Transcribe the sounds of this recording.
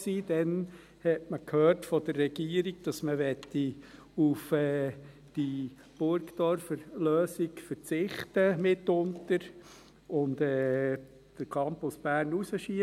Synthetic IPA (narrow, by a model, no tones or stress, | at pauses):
siːd̥ɛn | hɛtməkʰhøːrtfɔd̥ərːɛɡ̥iəɾiɡ̚d̥ɑsməʋɛt̪ːi | ufɛː | d̥i | b̥ʊɾkt̪ɔɾfəɾløːsiɡfəɾt͡sɪχtəmɪtːʊntəɾ | ʊndɛː | d̥əɾkʰɑmpʊsb̥æːɾnusəʃi